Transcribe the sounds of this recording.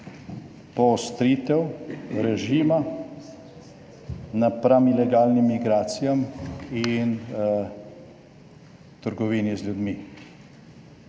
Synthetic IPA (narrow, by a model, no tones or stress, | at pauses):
pɔɔst̪ɾit̪ɛwɾɛʒiːma | napɾamilɛɡaːlnimːiɡɾaːt̪sijamin | t̪əɾɡɔʋiːnizlʲjud̪mi